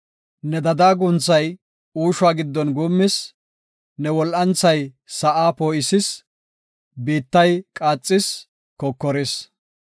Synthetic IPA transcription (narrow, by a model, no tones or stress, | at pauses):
nɛd̪ɐd̪aːɡʊnt͡sːɐj | uːʃʊwaːɡɪd̪ːɔnɡuːmːɪs | nɛwɔlʔɐnt͡sːɐj | sɐʔaːpoːʔɪsɪs | biːt̪ːɐjkʼaːt͡sʼːɪs | kɔkːɔɾɪs